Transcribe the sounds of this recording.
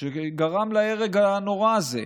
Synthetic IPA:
ʃeɡaʁamlaeʁeɡano̞ʁaːzḛ

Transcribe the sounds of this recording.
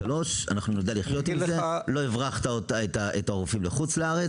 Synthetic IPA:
alo̞ʃa̰naχnunod̪aliχjo̞t̪imzelo̞ivʁaχt̪aot̪aet̪aʔetaoʁufimleχut͡sleaʁet͡s

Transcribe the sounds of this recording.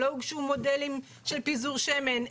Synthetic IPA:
oɡʃumo̞delim | ʃelpizuʁʃemen

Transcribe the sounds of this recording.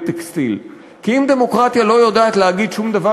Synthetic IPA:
t̪ekst̪il | kiimd̪e̞mo̞kʁat̪jalo̞jod̪aːt̪leaɡid̪ʃumd̪ava

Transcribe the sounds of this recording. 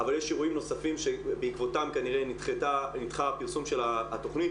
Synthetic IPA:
avaljeʃiʁuimno̞safimʃebeikvo̞t̪amkaniʁenit̪χet̪anit̪χaapiʁsumʃe̞laat̪o̞χnit̪

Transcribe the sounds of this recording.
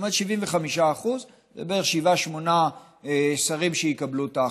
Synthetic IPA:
mod̪ʃiviɱveχamiʃaːχuz | zebeeχʃivaʃmo̞na | saʁimʃejikablut̪a

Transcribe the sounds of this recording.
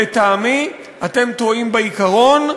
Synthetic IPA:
et̪aːmi | at̪e̞mt̪oimbeikaʁo̞n

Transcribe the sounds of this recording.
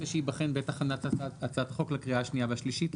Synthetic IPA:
eʃeibaχenbeetaχanataat͡sat̪χo̞klakʁiaaʃnijabʃliʃit

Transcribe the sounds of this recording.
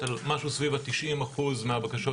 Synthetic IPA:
almaʃusvivat̪iʃimaχuzmeabakaʃo

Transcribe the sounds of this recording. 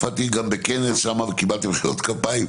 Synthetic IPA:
fat̪iɡambekenesʃamavekibalt̪ibeχiʁo̰t̪kapaim

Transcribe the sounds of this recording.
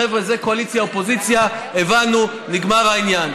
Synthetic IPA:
evʁezeko̞alit͡sjaopo̞zit͡sjaevanu | niɡmaʁainjan

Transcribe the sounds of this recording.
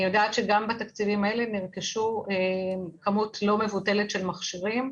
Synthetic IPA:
jodaːtʃeɡambatakt͡sivimae̞leniʁkiʃuekɐmutlo̞mevute̞le̞tʃelmaχʃiʁim

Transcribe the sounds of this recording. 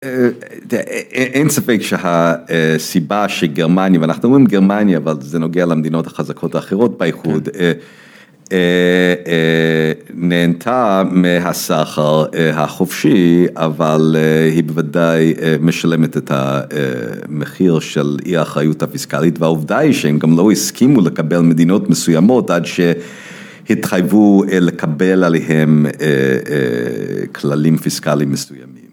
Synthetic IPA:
e | ʔensafekʃehaesibaʃeɡeʁmanjavanaχnuomʁimɡeʁmanjaːvalzeno̞ɡealamed̪ino̞thḁχazakʰo̞thaːχeʁ̞o̞t̚baiχude | e | neːntʰamiɦasaχaʁeɦaχofʃiavalhibevadajmeʃalemetetha̰ | meχiʁʃeliaχʁajuthafiskalitveauvdaiʃehemɡamlohiskʰimulekabelmedino̞tmesujamo̞tʔadʃe | hitχajvulekʰabelaleɦemḛ | kʰlalimfiskalimːesuja̰mim

